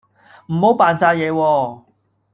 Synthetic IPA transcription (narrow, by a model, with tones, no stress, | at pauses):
m̩˨˩mo˨˥wpaː˨nsaː˧jɛː˨˧wɔː˧